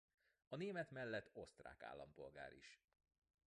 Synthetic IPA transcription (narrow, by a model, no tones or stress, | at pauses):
ɒneːmɛt̪mɛlːɛt̪ʰːo̞st̪ra̰ːka̰ːlːɒmpo̞lɡa̰ːɾʔḭʃ